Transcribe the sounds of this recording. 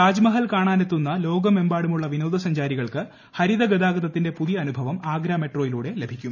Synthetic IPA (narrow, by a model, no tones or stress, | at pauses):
aːd͡ʑmɐɦɐlkaːɳaːnet̪ːunːɐlo̞ːɡɐme̞mbaːɽumuɭːɐʋinoːd̪ɐsɐɲd͡ʑaːɾiɣɐɭkɨ | hɐɾiðɐɡed̪aːɡɐðɐt̪ːinde̞puðijɐːnubʱɐʋɐmaːɡɾaːme̞ʈroːjiluːɽe̞le̞bʱikʲːum